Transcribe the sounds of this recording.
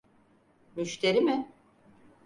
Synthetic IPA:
myʃt̪ʰeɾimɪ

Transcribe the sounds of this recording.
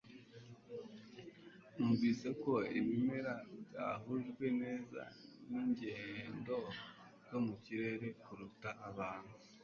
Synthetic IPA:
umɡiːseko̞iβimeɾabɟa̰ɦuʒɡwe̞ne̞ːza̰niɲɟendo̞̥ | jo̞muciɾe̞ːɾe̞kuɾutaʔːβaːn̥hu

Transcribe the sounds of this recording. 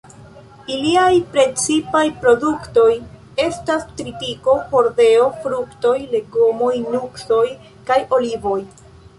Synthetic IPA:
iliajpɾe̞t͡sipajpɾo̞dukto̞j | e̞stastɾitiko̞ho̞ɾde̞o̞fɾukto̞jle̞ɡomo̞jnukso̞j | kajo̞livo̞j

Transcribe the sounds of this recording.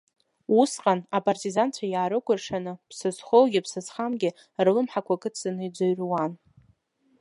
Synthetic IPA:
usqʼanapʼartʼizant͡ɕʷʰajaːɾɨkʷʼʊrʂanɨpsɨzχolɡʲɪpsɨsχamɡʲɪ | rlɨmħakʷʰakʼɨt͡sʰɨnɨid͡zaɥrwan

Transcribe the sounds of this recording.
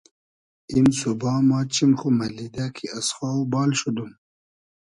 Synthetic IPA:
imsubɑːmɑːt͡ɕimxumalid̪akʰiasxaːwbɑːlɕud̪um

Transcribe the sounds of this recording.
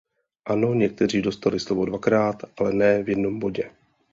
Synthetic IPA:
ʔano̞ɲɛk̚t̪ɛr̝iːdo̞st̪alɪslovo̞dvakɾaːt̪ʔalɛnɛːvjɛdno̞mbo̞ɟɛ

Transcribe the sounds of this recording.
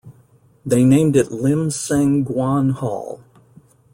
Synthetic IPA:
ðeɪnẽɪ̃mdɨtˡlɪ̃msæ̃ŋɡwɑ̃nhɔ̰lˠ

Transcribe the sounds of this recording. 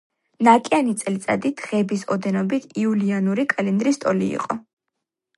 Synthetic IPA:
nakʼanit̪sʼlit̪sʼa̰d̪id̪̥ʁɛbisɔd̪ɛnɔbit̪ʰiulianuɾikʼalind̪ɾist̪ʼɔlḭːqʼɔ

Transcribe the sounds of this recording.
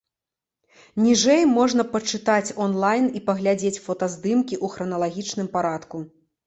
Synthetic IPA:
nʲiʐɛjmɔʐn̪ɐpɐt͡ʂɨt̪at͡sʲɔnlˠajnipɐɣlʲad͡zʲet͡sʲfɔt̪ɐzd̪ɨmkʲiʔuxɾɐnɐlˠaɣʲit͡ʂnɨmpaɾat̪ku

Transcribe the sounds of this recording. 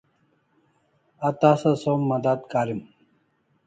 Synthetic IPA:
ɐt̪aːsɐsomːɐd̪at̪kaːɾim

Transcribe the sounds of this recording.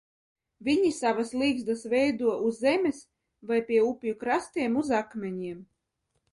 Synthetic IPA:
vʲiɲisavaslˠiːɡzd̪asvɛjd̪uɔʔuzːɛmʲes | vajpʲiɛupʲjukɾast̪iɛmuzakmʲɛɲiɛm

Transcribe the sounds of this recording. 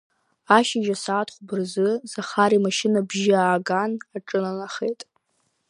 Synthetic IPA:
aʃɪʒasaːtʰχʷbɨrzɨzaχaɾimaʃɪnabʒɪaːɡanaʈ͡ʂʼɨnanaχe̞jtʼ

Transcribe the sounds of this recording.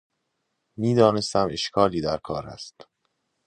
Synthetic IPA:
miːd̪ɒːne̞st̪æme̞ʃkʰɒːliːd̪æɾkʰɒːɾæ̰st̪

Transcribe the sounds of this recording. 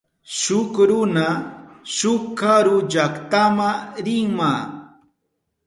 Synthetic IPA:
ʃʊkɾʊnaʃʊkːaɾʊd͡ʒakt̪amaɾɪŋmaː

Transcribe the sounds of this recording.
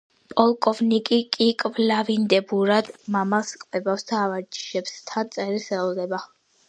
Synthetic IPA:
pʼɔlˠkʼɔvnikʼikʼikʼvlavind̪ɛbuɾad̪̥mamaskʼvɛbafsd̪aːvad͡ʒi̥ʃɛbst̪ʰant̪sʼɛɾisɛlɔd̪ɛba

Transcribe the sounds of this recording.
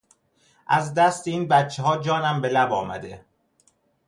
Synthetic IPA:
ʔæzd̪æst̪eiːnbæt̪t͡ʃʰːeɦɒːd͡ʒɒːnæmbe̞læbɒːmæ̰d̪e̞

